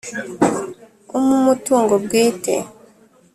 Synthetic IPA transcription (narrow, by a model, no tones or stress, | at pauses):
umumotuŋɡoɡetɛ̰